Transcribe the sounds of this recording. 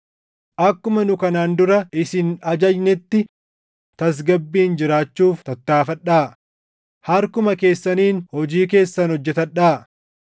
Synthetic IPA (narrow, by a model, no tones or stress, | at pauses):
ʔɐkːʊmɐnʊkɐnaːnd̪ʊɾɐɪsɪnɐd͡ʒɐjnɪt̪ːɪ | t̪ɐs̬ɡɐbːiːnd͡ʒɪɾaːt͡ʃːuːft̪ɐt̪ːaːfɐᶑaː | hɐɾkʊmɐke̞ːsːɐniːnhɔd͡ʒiːk̬e̞ːsːɐnhɔd͡ʒːɛt̪ɐᶑaː